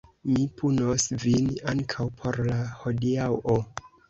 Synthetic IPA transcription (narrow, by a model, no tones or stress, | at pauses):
mipʰunosvinaŋkʰawpʰo̞ɾlaho̞diawʔo